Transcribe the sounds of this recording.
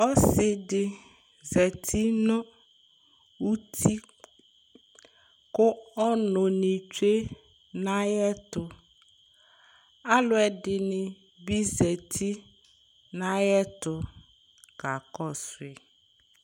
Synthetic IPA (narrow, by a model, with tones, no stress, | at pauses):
ɔ˦sɪ˨ɖɪ˨ | zɛ˨t̪ʰi˦nɔ̃˦ | u˦t̪ʰi˦ | kʊ˦ɔ˦nʊ̃˨nĩ˨t͡ʃu˦e˦ | nã˦jɛ˦t̪ʊ˨ | a˦lʊ˦ɛ˨ɖɪ˨nɪ̃˨ | bi˦zɛ˨t̪ʰi˦ | nã˦jɛ˦t̪ʊ˨ | ka˨kɔ˦˨sʊ˨e˨